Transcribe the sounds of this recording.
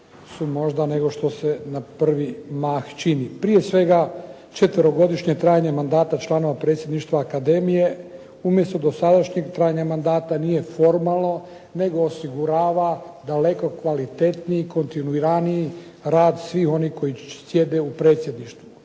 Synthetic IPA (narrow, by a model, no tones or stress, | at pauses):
sumo̞ʒd̪ane̞ɡo̞ʃt̪o̞se̞napr̩ʋimaːxt͡ʃinipɾije̞sʋe̞ɡa | t͡ʃe̞t̪ʋəɾo̞ɡo̞d̪iʃɲe̞t̪ɾaːjaɲe̞mand̪aːt̪at͡ʃlˠaːno̞ʋapɾe̞ːt̪sʲje̞d̪niʃt̪ʋaːkad̪e̞mije̞ | umje̞st̪o̞d̪osad̪aʃɲeɡt̪ɾaːjaɲamand̪aːt̪anije̞fo̞ɾmalˠno̞ | ne̞ɡo̞ːsiɡuɾaːʋad̪ale̞ko̞kʋalit̪e̞t̪niiko̞nt̪inuiɾaniː | ɾaːd̪sʋiːxo̞nihko̞isje̞d̪e̞upɾe̞ːt̪sje̞d̪niʃt̪ʋu